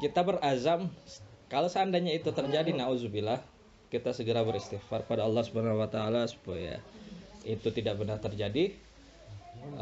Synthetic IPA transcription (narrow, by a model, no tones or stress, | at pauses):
kit̪abərazamkalosəandaɲait̪ut̪ərd͡ʒadinauzubila | kit̪asəɡəɾabəɾist̪ifarpadaɑlːɑhsubanahwat̪aːlasu̥paja̰ | it̪ut̪idak̚bənart̪ərd͡ʒadi